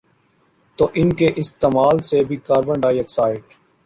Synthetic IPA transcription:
t̪oːʔɪnkeʔɪst̪eːmaːlsebʱiːkaːɾbə̃ɳɖaːiəksaːɪʈ

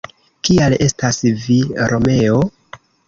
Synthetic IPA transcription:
kiale̞stasviɾʔo̞me̞o̞

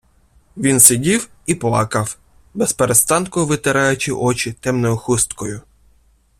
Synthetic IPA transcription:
ʋʲinsɪdʲiw | iplˠɑkɐw | bespeɾest̪ɑnkʊʋɪt̪ɪɾɑjʊt͡ʃɪʔɔt͡ʃɪt̪ɛmnɔjʊxust̪kɔjʊ

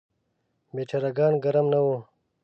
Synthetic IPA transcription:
met͡ɕɐɾaɡaːnɡɐɾɐmnɐwu

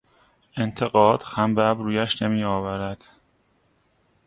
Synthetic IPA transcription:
ʔe̞nt̪ʰe̞ɣɒːd̪̥xæmbæbɾuːjæʃnemiːɒːvæɾæd̪̥

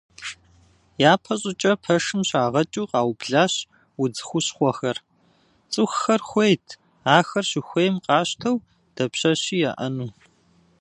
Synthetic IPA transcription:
jaːpʰɐɕʼɪt͡ʃʼɐpʰɐʂɨmɕaːʁɐt͡ʃʼuːqɑːwbɮaːɕ | wʊd͡zɨxʷʊɕχʷɔxɐr | t͡sʼɨxxɐrxʷejtʰ | aːxɐrɕɪxʷeːjmqʼɑːɕtʰɐw | d̥ɐpɕɐɕiːja̰ʔɐnuː

